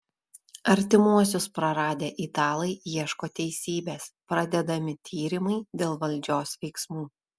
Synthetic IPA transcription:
ɐɾʲt̪ʲɪmuɔs̬ʲʊspɾɐɾɑːd̪ʲeːʔɪt̪ɑːlˠɐɪjiɛʃkoːt̪ʲɛɪsʲiːbʲeːspɾɐd̪ʲɛd̪ɐmʲɪt̪ʲʰiːɾʲɪmɐɪd̪ʲeːlˠʋɐlʲd͡ʒʲoːsʋʲɛɪksmuː

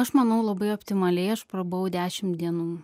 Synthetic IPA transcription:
ɐʃmɐnɐʊlˠɐbɐɪoːpʲt̪ʲɪmɐlʲɛɪɐʃpɾɐboɐʊd̪ʲæːʃʲɪmd̪ʲiɛnuː

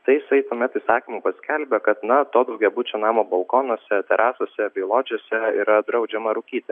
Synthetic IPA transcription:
t̪ɐɪjɪsɐɪt̪uɔmʲɛt̪iːsɑːkʲiːmuːpɐsʲkʲɛlʲbʲɛkɐt̪nɐt̪oːd̪ɐʊɡʲɛbʊt͡ʃʲoːnɑːmoːbɐlˠkoːnoːsʲɛt̪ʲɛɾʔɑːsoːsʲɛbʲɛɪlˠoːd͡ʒʲoːsʲɛḭɾɐd̪ɾɐʊd͡ʒʲɛmɐɾʊkʲiːt̪ʲɛ

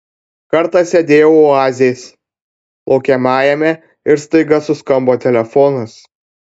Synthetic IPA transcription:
kɐɾt̪ɑsʲɛd̪ʲeːjɛʊoɑːzʲeːs | lˠɒʊkʲɛmɑːjɛmʲɛ | ɪɾst̪ɐɪɡɐsʊskɐmboːt̪ʲɛlʲɛfɔnɐs

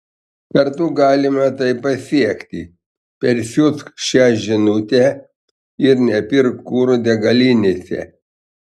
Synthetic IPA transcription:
kɐɾt̪ʊɡɑːlʲɪmɐt̪ɐɪpɐsʲiɛkʲt̪ʲɪ | pʲɛɾsʲʊsʃʲæːʒʲɪnʊt̪ʲɛ | ɪɾnʲɛpʲɪɾkkuːɾud̪ʲɛɡɐlʲinʲesʲɛ̰

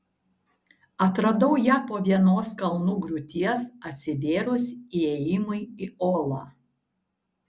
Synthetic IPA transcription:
ɐt̪ɾɐd̪ɐʊjæːpoːʋʲiɛnoːskɐlˠnuːɡɾʊt̪ʲiɛsɐt̪ʲsʲɪʋʲeːɾʊsʲieːjɪmʊɪioːlˠɑː

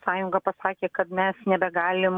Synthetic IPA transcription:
sɑːjʊŋɡɐpɐsɑːkʲeːkɐt̪mʲɛsnʲɛbʲɛɡɑːlʲɪm

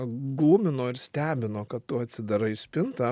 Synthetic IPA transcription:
ɡlˠumʲɪnoːɪɾsʲt̪ʲæːbʲɪnoːkɐtt̪ʊɐt̪ʲsʲɪd̪ɐɾɐɪsʲpʲɪnt̪ɐ

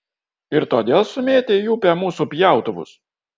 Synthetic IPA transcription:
ɪɾt̪oːd̪ʲeːlˠsʊmʲeːt̪ʲejuːpʲɛmuːsupʲjæˑʊt̪ʊʋʊ̰s

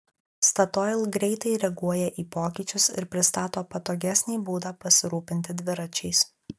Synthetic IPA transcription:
st̪ɐt̪ɔɪlˠɡɾʲɛɪt̪ɐɪɾʲɛɡuɔjɛʔiːpoːkʲiːˑt͡ʃʲʊsɪ̰ɾpʲɾʲɪst̪ɑːt̪oːpɐt̪oːɡʲæsʲnʲiːbuːd̪ɑːpɐsʲɪɾuːpʲɪnʲt̪ʲɪd̪ʲʋʲɪɾɐt͡ʃʲɛɪs

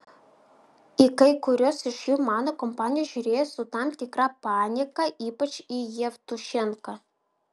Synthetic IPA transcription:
ikɐjkuɾʲosiʃjumɑnokompanʲijɐʒyɾʲejsut̪ɑmt̪ʲikrɑpanʲikɐʔipɐt͡ʃijevt̪uʃeŋka

